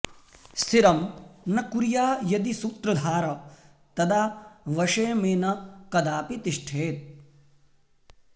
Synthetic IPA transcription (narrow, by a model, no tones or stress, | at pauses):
siɾɐmnɐkuɾjaːjɐd̪isuːt̪ɾɐd̪ʱaːɾɐ | t̪ɐd̪aːʋɐʂeːmeːnɐkɐd̪aːpit̪iʂʈʰeːt̪̚